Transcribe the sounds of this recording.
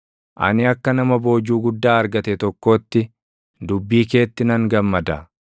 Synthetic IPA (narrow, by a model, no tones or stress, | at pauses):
ʔɐ̰nɪɐkːɐnɐmɐbo̞ːd͡ʒuːɡʊd̪ːaːɐɾɡɐt̪ɛt̪ɔkːo̞ːt̪ːɪ | d̪ʊbːiːke̞ːt̪ːɪnɐŋɡɐmːɐd̪ɐ̰